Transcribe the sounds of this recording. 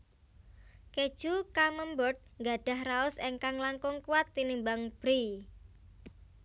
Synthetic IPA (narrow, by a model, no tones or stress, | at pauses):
ked̥ʒ̥ukaməmbɔt̪̚ŋɡaɖ̥a̤hraʊseŋkaŋlaŋkʊŋkuwat̪ːinimbaŋb̥ɾi